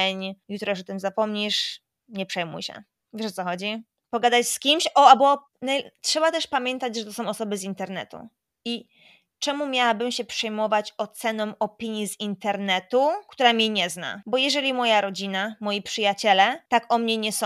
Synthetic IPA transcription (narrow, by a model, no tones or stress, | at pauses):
ɛɲjut̪ɾɔʂɔt̪ɘmzapɔmɲiʂ | ɲɛpʂɛjmṵjɕɛ̰ | vʲɛʂɔt̪sɔxɔd͡ʑi | pɔɡad̪at͡ɕskʲimɕɔabɔ | natʂɛbat̪ɛʂpamʲjɛnt̪ad͡ʑʐɛt̪ɔsɔ̃w̃ɔsɔbɘzint̪ɛɾnɛ̰t̪ṵ | i | t͡ʂɛmumʲjawabɘmɕɛpʂɛjmɔvat͡ɕɔt̪sɛnɔ̃mɔpʲiɲjizint̪ɛɾnɛt̪ukt̪uɾamʲiɲɛzna̰bɔjɛʐɛlʲimɔjaɾɔd͡ʑinamɔjipʂɘjat͡ɕɛlɛt̪akɔmɲɛɲɛsɔ